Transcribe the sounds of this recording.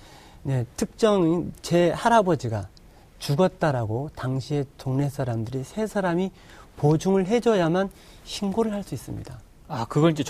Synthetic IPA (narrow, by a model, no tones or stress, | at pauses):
ne̞tʰɯk̚t͡ɕ͈ʌŋt͡ɕe̞haɾabʌd͡ʑiɡa | t͡ɕuɡʌt̚t͈aɾaɡotaŋɕʰie̞toŋne̞sʰaɾamdɯɾisʰe̞sʰaɾami | pod͡ʑuŋɯɭɦe̞d͡ʑʌjaman | ɕʰinɡoɾɯɭɦaɭs͈uis͈ɯmɲḭda | akɯɡʌɾid͡ʑe